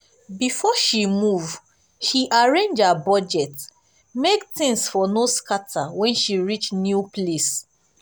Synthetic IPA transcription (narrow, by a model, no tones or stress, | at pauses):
bifɔʃimuv | ʃiʔaɹẽnd͡ʒabɔd͡ʒɛt | mektĩŋsfɔnoskatʰawɛ̃nʃiɹit͡ʃnjuples